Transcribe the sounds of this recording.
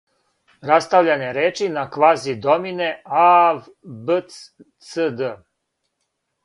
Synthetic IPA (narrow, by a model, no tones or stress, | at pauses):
ɾast̪aʋʎaneɾeːt͡ʃinakʋaːzid̪o̞mine̞av | bəs | səd̪ə